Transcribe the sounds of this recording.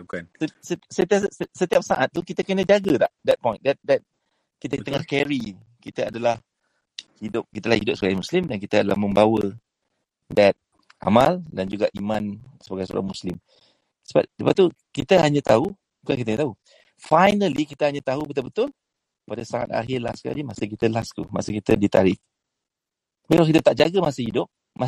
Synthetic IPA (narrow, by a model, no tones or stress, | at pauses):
kasəsət̪iasət̪iap̚saʔat̪̚ːukit̪akənad͡ʒaɡədaʔdɛt̪̚pɔj̃ndɛt̚dɛt̪̚ | kit̪ət̪əŋahkɛɾi | kit̪aadalah | hidʊp̚kit̪əlahidʊp̚səbaɡajmuslɪmdankit̪aadala̰hmə̃mbawə | dɛt̪̚ | ʔa̰mãldand͡ʒuɡaʔimãnsəbaɡajso̰ɾa̰ŋmuslɪm | səba̰p̚səbap̚t̪u | kit̪əɦaɲãt̪au | ukakit̪aɲət̪au | fajnəlikit̪əhaɲat̪aɦubət̪ʊbət̪ʊl | padasaŋa̰t̪̚a̰ɦɪrla̰ska̰limasək̬it̪əlast̪ṵma̰səkit̪ədit̪aɾɪʔ | belak̬it̪ət̪aʔ̚d͡ʒaɡəmasəhidʊp̚ | ma